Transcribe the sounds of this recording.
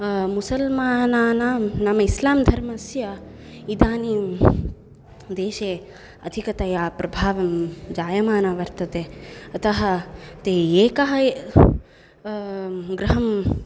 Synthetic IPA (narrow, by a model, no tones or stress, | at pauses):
musɐlmaːnaːnaːnaːmɐislaːmd̪ʱɐɾmɐsjɐ | id̪ʱaːniː | d̪eːʃeː | ɐd̪ʱikɐt̪ajaːpɾɐbʱaːʋɐmd͡ʒaːjɐmaːnaːʋɐɾt̪ɐt̪eːɐt̪ɐɦɐt̪eːeːkɐɦɐ | ɡɾɐɦɐm